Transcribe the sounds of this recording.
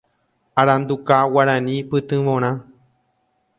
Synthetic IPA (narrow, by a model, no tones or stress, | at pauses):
aɾãnd̪ukawaɾãnĩpɨt̪ɨ̃ʋõɾ̃ã